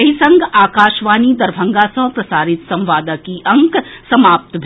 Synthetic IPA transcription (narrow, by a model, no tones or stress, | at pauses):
ɐɦisɐ̃ŋɡʱaːkaːʃʋaːnid̪ɐɾbʱɐ̃ŋɡasɐ̃ɦpɾɐsaːɾɪt̪sɐ̃mʋaːd̪əkiʔɐ̃ŋksɐmaːp̚t̪bʱ